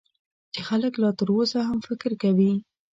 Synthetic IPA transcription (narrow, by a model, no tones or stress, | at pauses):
t͡ʃexaləklɑt̪əɾosaɦamfɪkɾkawi